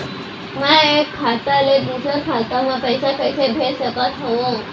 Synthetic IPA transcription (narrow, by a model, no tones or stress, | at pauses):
mãekʰːat̪aled̪usəɾkʰat̪amãpəjsakəjsebʱesəkat̪ɦoʋo